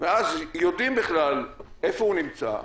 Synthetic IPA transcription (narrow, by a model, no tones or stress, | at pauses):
veazjod̪imbiχlal | efounimt͡sa̰